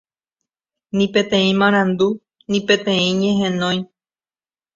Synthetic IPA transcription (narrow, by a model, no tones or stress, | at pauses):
nĩpe̞t̪ẽ̞ĩmãɾ̃ãnd̪u | nĩpe̞t̪ẽ̞ĩɲẽɦẽ̞nõj̃